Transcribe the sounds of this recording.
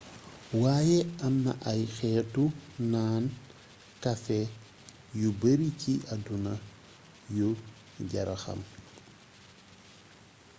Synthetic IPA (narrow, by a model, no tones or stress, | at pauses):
waːjɛɐmːɐ̰ʔɐjxɛːtunaːn | kɐfɛ | jubəɾiciʔɐdunɐ | ju | ɟɐɾɐxɐ̰m